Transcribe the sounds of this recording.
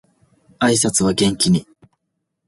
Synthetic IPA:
aisat͡sɨβaɡẽ̞ŋkʲiɲ̟i

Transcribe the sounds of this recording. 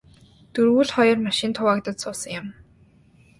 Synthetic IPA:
t̪uɾɣuːɮχɔjɞ̆rmaʃɪ̆nt̪ʰʊwak̚t̪ə̆t̪sʊːsə̆ŋjʊ̆m

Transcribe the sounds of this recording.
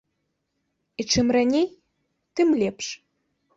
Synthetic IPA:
it͡ʂɨmranʲej | t̪ɨmlʲɛpʂ

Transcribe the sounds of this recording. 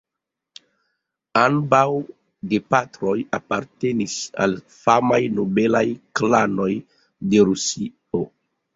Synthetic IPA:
ambaw | depatɾo̞japaɾte̞nisa̰l | famajnobe̞lajklano̞j | de̞ɾusi | o

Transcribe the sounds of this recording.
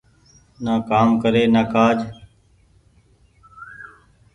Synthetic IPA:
naːkaːmkəɾeːnaːkaːd͡ʒ

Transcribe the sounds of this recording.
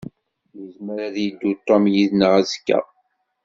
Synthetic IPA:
jəzməɾaðjid̪ːut̪ˤːomjiðnəʁæzkːæ̰

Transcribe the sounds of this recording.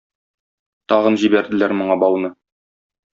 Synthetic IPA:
t̪ɒʁɤ̆nʑibæɾd̪ɘ̆læɾmŏɴɑbɒlˠnɤ

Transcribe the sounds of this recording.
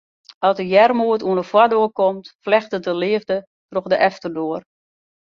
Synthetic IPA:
ɔsəjɛrmuətuənəfwadoəkomtflɛxtədəlɪːəvdə | troxdəʔɛftərdoər

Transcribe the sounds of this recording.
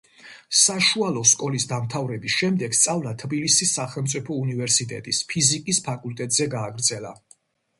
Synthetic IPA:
saʃualˠɔskʼɔlisd̪amt̪ʰavɾɛbisʃɛmd̪ɛɡ̥st̪sʼavlat̪ʰbilisisːaχɛlˠmt̪sʼipʰɔunivɛɾsit̪ʼɛ̰t̪ʼispʰizikʼispʰakʼult̪ʼɛt̪ʼzɛɡaːɡɾd̪zɛla̰

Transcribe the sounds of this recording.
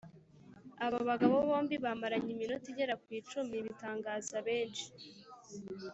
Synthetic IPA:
aβaβaɡaβoβo̞ːmbiβamaɾaɲiminotiɟeɾakwiːt͡ʃumiβitaːŋɡaːzaβe̞ːnʃi̥

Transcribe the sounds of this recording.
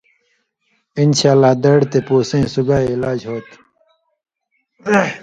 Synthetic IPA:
inɕaːlːaːd̪ɐɽt̪epoːsẽːsuɡaːeːlaːd͡ʑɦoːt̪

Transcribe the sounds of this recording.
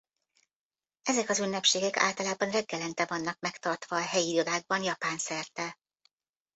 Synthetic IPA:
ɛzɛkɒzynːɛpʃeːɡɛka̰ːlt̪ɒlaːbɒnrɛɡːɛlɛnt̪ɛvɒnːɒkmɛkt̪ɒrt̪ʋɒːɦɛjilod̪aːɡ̚bɒnjɒpaːnsɛrt̪ɛ

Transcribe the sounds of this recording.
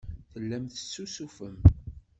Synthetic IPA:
θəlːæmθə̥sːusufəm

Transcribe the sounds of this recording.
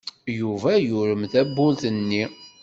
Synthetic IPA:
juvæjʊɾəmθæbːʊlθənːi

